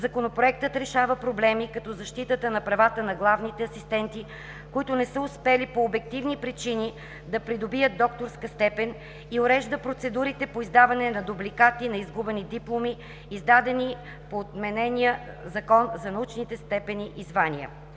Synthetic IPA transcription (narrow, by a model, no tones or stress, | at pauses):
zɐkonopɾoɛk̚t̪ət̪ɾɛʃavəpɾoblɛmikɐt̪ɔzɐʃt̪it̪ət̪ənɐpɾɐvat̪ənɐɡlˠavnit̪ɛɐsist̪ɛnt̪i | koit̪ʊnɛsəʊspɛlipoːbɛk̚t̪ivnipɾit͡ʃini | d̪ɐpɾid̪obijəd̪̚d̪ɔk̚t̪oɾskəst̪ɛpɛn | ioɾɛʒd̪əpɾot̪sɛd̪uɾit̪ɛpoizd̪avɐnɛnɐd̪ublikat̪inɐizɡubɛnid̪iplˠomiː | zd̪ad̪ɛni | poːt̪mɛnɛnʲiə | zɐkɔnzɐnɐut͡ʃnit̪ɛst̪ɛpɛniʔizvaniə̰